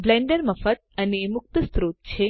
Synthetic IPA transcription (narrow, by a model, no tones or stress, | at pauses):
blẽɳɖəɾməfət̪̚ənemʊk̚t̪əst̪ɾot̪̚t͡ʃʰe